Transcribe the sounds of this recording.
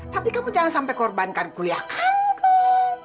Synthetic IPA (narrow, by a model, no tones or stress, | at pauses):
t̪apikamud͡ʒaŋansampajkɔrbankankuliakʰankɔ